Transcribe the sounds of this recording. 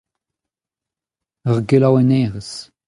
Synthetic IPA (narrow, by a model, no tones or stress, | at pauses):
əʁɡelawɛnɛːʁəs